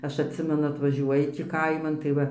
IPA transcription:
ˈɐʃ ɐtʲˈsʲɪmʲɛnʊ ɐtʋɐˈʒʲuɔjɪ tʲiː ˈkɐɪmɐn tɐɪ ˈʋɐ

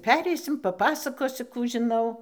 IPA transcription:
ˈpʲæːrʲɛɪsʲɪm pɐˈpɑːsɐkoːsʲʊ ˈkuː ʒʲɪˈnɐʊ

